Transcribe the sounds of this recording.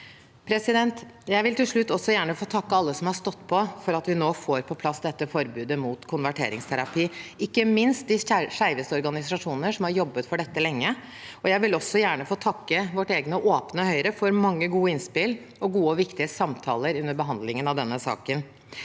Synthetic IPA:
pʰɾɛsɪd̪ɛnt̪jæɪʋɪlt̪ɪlʂɭʉt̪ːɔsːɔjæːɳəfoːt̪ʰɑkːəɑlːəsɔmhɑɾʂt̪ɔt̪ːpʰɔfɔɾɑt̪ʋɪnoːfoːɾpʰɔpʰlɑsd̪ɛt̪ːəfɔɾbʉːd̪əmuːt̪kʰʊnʋæʈʰḛːɾɪ̰ŋst̪ʰæɾɑpiːɪkːəmɪnst̪̚d̪ɪʂæɪʋəsɔɾɡɑnɪsɑʂuːnnəʂɔmhɑɾjɔbːət̪fɔɖɛt̪ːəlɛŋːə | ɔjæɪʋɪlɔsːɔjæːɳəfoːt̪ʰɑkːəʋɔʈːeːɡnəɔʔoːpnəhœʏɾəfɔɾmɑŋːəɡuːəɪnspɪl | ɔɡuːəɔʋɪkt̪ɪəsɑmt̪ʰɑ̰ːləɾʉnːəɾbəɦɑnd̪lɪŋənɑʋd̪ɛnːəsɑ̰ːkən

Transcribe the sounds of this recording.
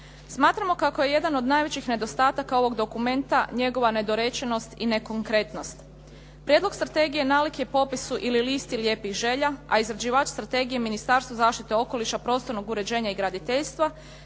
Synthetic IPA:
smaːt̪ɾamo̞kako̞je̞je̞d̪ano̞d̪najʋe̞t͡ɕixne̞d̪o̞st̪aːt̪akao̞ʋo̞ɡd̪o̞kume̞nt̪aɲe̞ɡo̞ʋane̞d̪o̞ɾe̞t͡ʃeno̞st̪ine̞koŋkɾe̞t̪no̞st̪ | pɾʲjedlo̞ɡ̥st̪ɾat̪e̞ɡije̞nalikjepo̞pisuʔililiːst̪iljeːpixʒe̞ʎaaizɾad͡ʑiʋaːt͡ʃst̪ɾat̪e̞ɡijeminist̪aɾst̪ʋozaːʃt̪it̪eo̞ko̞liʃapɾo̞ːst̪o̞ɾno̞ɡuɾe̞d͡ʑe̞ːɲaiɡɾad̪it̪eʎst̪ʋa

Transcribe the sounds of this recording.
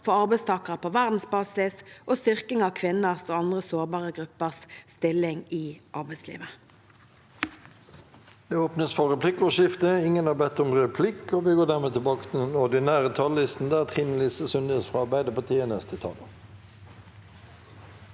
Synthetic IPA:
fɔɑʁbæɪst̪ʰɑːkʁəpʰoːʋæʁd̪n̩sbɑːsɪsʔoːst̪ʏʁkɪŋɑːkʰʋɪnəʁsoːɑnd̪ʁəsoːʁbɑːʁəɡʁʉpəʁsst̪ɪlɪŋiːʔɑʁbæɪslḭːʋə | d̪̥eːoːpnəsfɔʁɛpʰlɪkʊʃɪft̪əɪŋənɑbɛt̪ɔmʁɛpʰlɪkoːʋɪɡoːʁd̪æːʁmeːt̪ʰɪbɑːkət̪ʰɪd̪ɛnɔʁd̪ɪnæːʁət̪ʰɑlːɪst̪n̩d̪æːʁt̪ʰʁiːn̩lɪsəsʉnd̪əsfʁɑːɑʁbæɪd̪əpɑt̪ʰiːənɛst̪ʰət̪ʰɑ̰lə

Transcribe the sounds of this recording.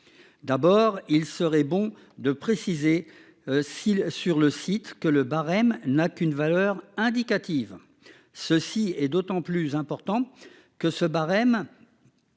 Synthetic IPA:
d̪abɔʁilsəʁɛbɔ̃ | d̪əpχesize | sisyʁləsit̪kələbaʁɛmnakynvalœʁɛ̃d̪ikat̪iv | səsiɛd̪ot̪ɑ̃plyzɛ̃pɔʁt̪ɑ̃ | kəsəbaʁɛm

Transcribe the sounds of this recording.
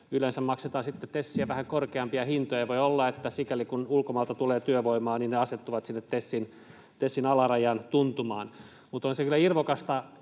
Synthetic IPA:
ylensæmmɑkset̪ɑːnsit̪ːet̪esːiæʋæhæŋkorkeɑmpiɑhint̪ojɑʋoiolːɑet̪ːæsikælikunulkomɑːlt̪ɑt̪uleːt̪yøʋoimɑːninneɑset̪ːuʋɑt̪sinːet̪t̪esːin | t̪esːinɑlɑrɑjɑnt̪unt̪umɑːn | mut̪onsekylːˑæirʋokɑst̪ɑ

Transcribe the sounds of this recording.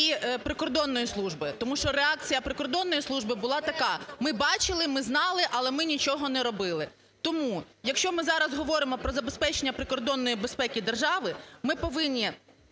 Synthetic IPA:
ipɾɪkɔrd̪ɔnːɔjislˠuʒbɪt̪ɔmuʃt͡ʃɔɾeɑk̚t͡sʲijɐpɾɪkɔrd̪ɔnːɔjislˠuʒbɪbʊlˠɑt̪ɐkɑmɪbɑt͡ʃɪlˠɪmɪznɑlˠɪʔɐlˠɛmɪnʲit͡ʃɔɦɔnɛɾɔbɪlˠɪ | t̪ɔmu | jɐkʃt͡ʃɔmɪzɑɾɐzɦɔʋɔɾɪmɔpɾɔzɐbespɛt͡ʃenʲːɐpɾɪkɔrd̪ɔnːɔjibespɛkʲid̪erʒɑʋɪmɪpɔʋɪnʲːi

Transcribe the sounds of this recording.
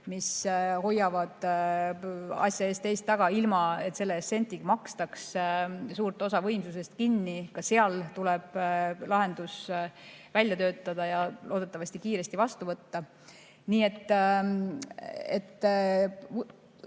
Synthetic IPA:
misho̞jːɑvɑd̪̥ | ɑ̰sʲjɑe̞ːst̪ːe̞jst̪ːɑɡ̥ɑilmɑe̞t̪ːse̞lːesse̞nʲt̪iɡ̥mɑkst̪ɑkssuːrt̪ˑo̞sɑvɤ̞jmsuse̞st̪kinːikɑseɑlt̪ulɛb̥lɑɦe̞nd̪̥us | vælʲjɑt̪ø̞ːt̪ːˑɑd̪̥ɑjɑlo̞ːd̪e̞t̪ˑːɑvɑsʲt̪ikiːɾe̞st̪ivɑst̪uvɤt̪ːɑ | niːe̞t̪ːˑ | et̪ː

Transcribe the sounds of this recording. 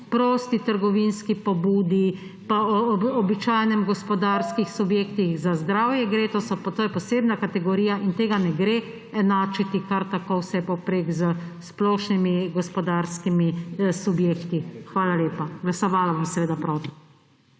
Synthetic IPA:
pɾoːst̪it̪əɾɡɔʋinskipɔbuːd̪i | paɔɔbit͡ʃaːjnɛmɡɔspɔd̪aːɾskixsubjeːkt̪ixzazd̪ɾaːwjɛɡɾeːt̪osɔt̪oːjɛpɔseːbnakat̪ɛɡɔɾiːjaʔint̪eːɡanɛɡɾe | ɛnaːt͡ʃit̪ikaɾt̪akowsɛɛpɔpɾeːɡzəsplɔːʃnimiɡɔspɔd̪aɾskimisubjeːkt̪ixʋaːlaljeːpaɡlasɔʋaːlabomsɛʋeːd̪apɾoːt̪i̥

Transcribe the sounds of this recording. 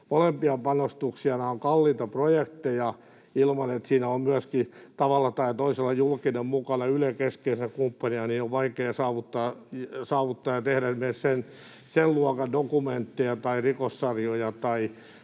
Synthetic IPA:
molempiɑpɑnost̪uksiɑnɑoŋkɑlːiːt̪ɑprojekt̪ejɑ | ilmɑnet̪siːnæommyæskit̪ɑʋɑlːɑt̪ɑit̪oiselːɑjulkinemmukɑnɑylekeskeːsækumpːɑniɑnioʋʋɑikeːsɑːʋut̪ːɑːsɑːʋut̪ːɑːjɑt̪ehɾænmessen | selluɔkɑdokument̪ːijɑt̪ɑirikosːɑrjojɑt̪ɑi

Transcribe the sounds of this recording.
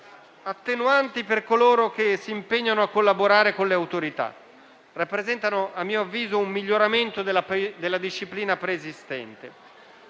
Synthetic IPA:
at̪ːenuant̪iperkoloːɾok̟esiːmpeɲːanoakːolːaboɾaːɾekonleawt̪oɾit̪a̰ | rapːɾezɛnt̪anoamːiːoavːiːzoumːiʎːoɾament̪od̪ad̪elːad̪iʃːipliːnapɾeːzist̪ɛ̰nt̪ḛ

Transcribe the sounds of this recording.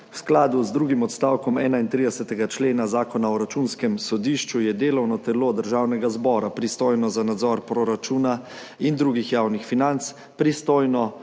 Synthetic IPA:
wsklaːd̪uzd̪ɾuːɡimɔt̪st̪aːwkɔmɛːnaint̪ɾiːd̪ɛsɛt̪ɛɡat͡ʃleːnazaːkɔnaɔɾat͡ʃuːnskɛmsɔd̪iːʃt͡ʃujɛd̪eːlɔwnɔt̪ɛlod̪əɾʒaːwnɛɡazbɔːɾapɾist̪oːjnɔzanad̪zɔɾpɾɔɾat͡ʃuːna | ind̪ɾuːɡixjaːwnixfinant̪s | pɾist̪oːjnɔ

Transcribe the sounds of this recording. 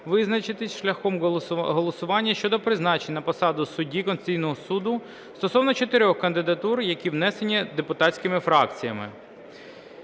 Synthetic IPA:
ʋɪznɐt͡ʃɪt̪ɪsʲʃlʲɐxɔmɦɔlˠɔsʊʋɑnʲːɐʃt͡ʃɔd̪ɔpɾɪznɑt͡ʃenʲnɐpɔsɑd̪ʊsʊdʲikɔnsʲt͡sʲijnɔɦɔsud̪ʊ | st̪ɔsɔwnɔt͡ʃet̪eɾʲɔxkɐnd̪ɪd̪ɐt̪urjɐkʲiʋnɛsenʲid̪epʊt̪ɑtt͡sʲkɪmɪfɾɑkt͡sʲijɐmɪ̰

